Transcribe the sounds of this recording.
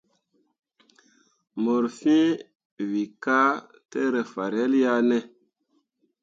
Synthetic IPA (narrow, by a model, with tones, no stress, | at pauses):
mo˨ɾfĩ˦ | wi˨ka˦ | te˦ɾe˨fa˨ɾɛ˦lja˦nɛ˦